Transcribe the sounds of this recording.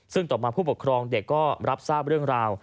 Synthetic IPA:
sɯ˥˩ŋt̪ɔː˨˩maː˧pʰuː˥˩pu˨˩kʰɾɔː˧ŋde˨˩kːɔː˥˩ɾa˦˥p̚saː˥˩p̚ɾɯ˥˩əŋɾaː˧w

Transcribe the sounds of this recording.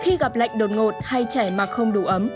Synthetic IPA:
xi˧ɣa˨˩p̚la̰˧˨jŋ̟ɗo˨˩t̚ŋo˨˩t̚ha˧jt͡ɕɛ˧˩maː˨˩xə˧wŋ͡mɗu˧˩ʔə˨˦m

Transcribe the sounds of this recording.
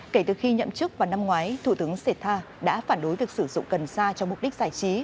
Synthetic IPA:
ke˧˩t̪ɨ˨˩xi˧ɲə̰˧˨mt͡ɕɨ˦˥k̚vaː˨˩wna˧mŋwaː˨˦jt̪ʰu˧˩t̪ɨ˨˦əŋse˧˩t̪ʰːaː˧ | ɗa̰ː˧˥faː˧˩nɗo˨˦jvi˨˩ək̚sɨ˧˩zʊ̰˧˨ŋ͡mkə˨˩nsaː˧t͡ɕɔ˧wŋ͡mmʊ˨˩k͡p̚ɗi˦˥k̟̚z̥aː˧˩jt͡ɕi˨˦

